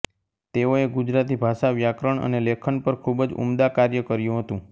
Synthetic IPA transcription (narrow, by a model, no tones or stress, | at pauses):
t̪eoeɡud͡ʒɾat̪̬ibʱaʃaʋjakɾəɳə̰nelekʰəɳpəɾkʰubd͡ʒṵmd̪akaɾjəkəɾjũɦət̪ũ